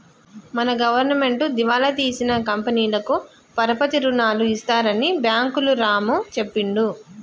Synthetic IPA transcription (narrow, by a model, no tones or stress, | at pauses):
mɐnɐɡɐʋɐɾnɐme̞ɳʈud̪iʋaːlɐt̪iːsinɐkɐmpɐniːlɐku | pɐɾɐpɐt̪iɾunaːluist̪aːɾɐnibjaːŋkuluɾaːmut͡ʃe̞pːiɳɖu